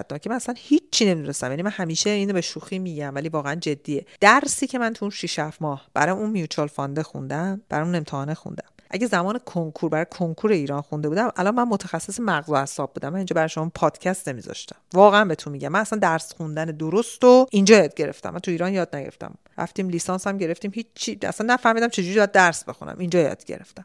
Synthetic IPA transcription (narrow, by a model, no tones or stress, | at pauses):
t̪̚nɒːcʰemænæslænhit͡ʃʰːine̞mid̪unest̪æmjænimænhæmiːʃeiːnobeʃuxiːmiɟæmvæliːvɒːɣeænd͡ʒe̞d̪ːiːjed̪̥æɾsiːcʰe̞mænt̪ʰuunʃiʃæfmɒːhb̥æ̰ɾɒːjeunmijut͡ʃʰɒlfɒnd̪exṵnd̪æmb̥æɾɔmune̞mt̪ʰehɒːnexṵnd̪æmʔæɟezæmɒːnekʰoŋkʰuɾbæɾɒːjekʰoŋkʰuːɾeiːɾɒːnxund̪e̞buːd̪æmʔælɒnmænmot̪ʰæxæsːesemæɣzohæsɒːb̚buːd̪æmːænind͡ʒɒbæɾɒjeʃomːpʰɒːd̪̥cʰæst̪nemḭzɒ̰ʃt̪æ̥mvɒːɣeænbe̞t̪ʰunmiɟæmːænæsænd̪æɾsxund̪æned̪oɾost̪oʔind͡ʒɒːjɒːd̪̚ɟe̞ɾe̞̰ft̪æ̰mːænt̪ʰuiːɾɒːnjɒːd̪̚næɟeɾeft̪æ̰m | ɾæ̰ft̪iːmlisɒnsæmɟe̞ɾeft̪iːmhit͡ʃt͡ʃʰːiæ̰sænːæfæhmiːd̪æmt͡ʃʰe̞d͡ʒuɾibɒjæd̪d̪ːæɾsbe̞xṵnæ̰mʔind͡ʒɒːjɒ̰ːd̪̥ɟe̞̰ɾe̞̰ft̪æm